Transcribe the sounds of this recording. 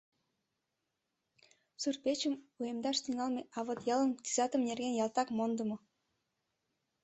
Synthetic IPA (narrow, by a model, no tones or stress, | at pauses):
surpʲet͡ɕɘ̆mujemd̪ɑʃt̪ʲiŋɑlˠmʲeʔɑvɤ̆t̪jɑlˠɤ̆nt̪ʲizɑt̪ə̆mnʲerɡʲenjɑlˠt̪ɑkmond̪ɤ̆mɤ̆